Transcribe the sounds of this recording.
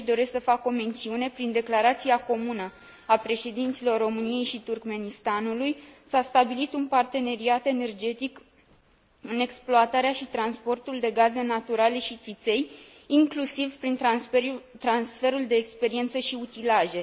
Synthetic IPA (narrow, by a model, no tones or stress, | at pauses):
ʃd̪o̞ɾe̞sksəfako̞me̞nt̪siune̞pɾind̪e̞klaɾat̪siako̞munə | apɾe̞ʃe̞d̪int̪silo̞rːo̞mɨnije̞jʃit̪urkme̞nist̪anulujsast̪abilit̪unpart̪e̞ne̞ɾiat̪e̞ne̞rd͡ʒe̞t̪ik | ɨne̞ksploat̪aɾeaʃit̪ɾanspo̞rt̪uld̪e̞ɡaze̞nat̪uɾale̞ʃit̪sit̪se̞j | iŋklusivpɾin | t̪ɾansfe̞ɾuld̪e̞ːkspe̞ɾie̞nt̪səʃiut̪ilaʒe̞